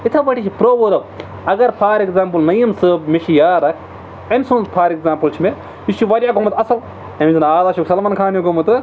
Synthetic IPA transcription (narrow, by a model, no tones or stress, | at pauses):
it̪ʰɐbɐʈʰit͡ʃʰipɾoːʋɐɾɐ | ɐɡɐɾpʰaːɾekzaːmpɨlnɐjɐmsɨbmeʃijaːɾɐkʰ | ensunzpʰaːɾekzaːmpɨlt͡ʃʰime | ist͡ʃʰiʋɐɾʲjaːɡomɐt̪ɐsɐl | ɐmiznaːd̪aːʃuksɐlmɐnkʰaːnjoɡomɐt̪ɨ